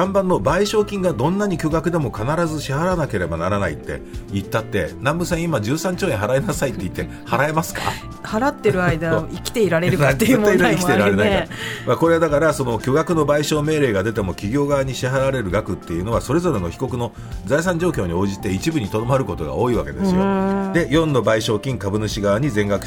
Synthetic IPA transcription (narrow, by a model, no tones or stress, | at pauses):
d̪ãmbãnːo̞baiɕo̞ːkʲĩŋɡad̪õ̞nːaɲ̟ikʲo̞ɡakɯ̟d̪e̞mo̞kanaɾazɨɕiɦaɾanake̞ɾe̞banaɾanaḭt̪ːe̞̰it̪ːat̪ːe̞̰nãmbɯ̟sẽimad͡ʑɨːsãɲ̟t͡ɕoːẽɦaɾae̞nasait̪ːe̞it̪ːe̞ | haɾae̞masɨ̥ka̰ | haɾat̪ːe̞ɾɯ̟aid̪aikʲi̥t̪eiɾaɾeɾɯnat̪ːeɯt̪ːeiikʲit̪eɾaɾe̞naiamako̞ɾe̞ad̪akaɾaso̞no̞kʲo̞ɡakɯ̟no̞baiɕo̞ːme̞ːɾe̞ːɡad̪e̞t̪e̞mo̞kʲiɡʲo̞ːɡaaɲ̟iɕiɦaɾaɾe̞ɾɯ̟ɡakɯ̟t̪ːe̞jɯ̟no̞βaso̞ɾe̞zo̞ɾe̞no̞çi̥ko̞kɯ̟no̞ | zais̬ãɲd͡ʑo̞ːkʲo̞ːɲ̟io̞ːʑit̪e̞it͡ɕibɯ̟ɲ̟it̪o̞no̞maɾɯ̟ko̞t̪o̞ɡa̰o̞ːiβake̞d̪e̞sɨjod̪e̞jõ̞nd̪o̞baiɕo̞ːkʲĩŋkabɯ̟nɯ̟ɕiɡaβaɲ̟izẽ̞ŋɡakɯ̟̥